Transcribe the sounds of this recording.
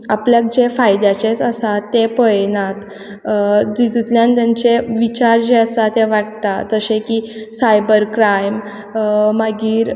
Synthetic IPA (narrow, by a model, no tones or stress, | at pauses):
apljak̚d͡ʑefajd̪jat͡ɕet͡səsat̪ːepəjnat̪ | d͡zid͡z̪it̪ljãnt̪jaɲt͡seʋit͡ɕaɾd͡ʑeəsat̪eʋaʈt̪at̪əsẽkisajbəɾkɾajm | maɡiːɾ